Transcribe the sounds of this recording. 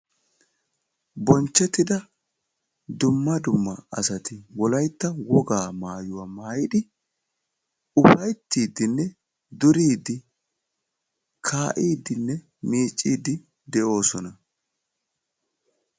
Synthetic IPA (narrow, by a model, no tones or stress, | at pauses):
bɔnt͡ʃːɛt̪ːɪd̪ɐ | d̪ʊmːɐd̪ʊmːɐ̰ɐ̰sɐt̪ɪwɔlɐjt̪ːɐwɔɡaːmaːjʊwamaːjɪd̪ɪ | ʊfɐjt̪ːiːd̪ɪnːɛ | d̪ʊɾiːd̪ɪ | kʰaːʔiːd̪ɪnːɛ | miːt͡ʃʼːiːd̪ɪ | d̪ɛʔo̞ːsɔnɐ